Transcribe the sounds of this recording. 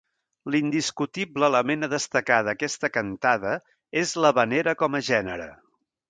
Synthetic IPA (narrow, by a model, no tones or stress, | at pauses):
lind̪iskut̪ibləələmenəðəst̪əkaðəkɛst̪əkənt̪aðə | ezləβəneɾəkɔməʒɛnəɾə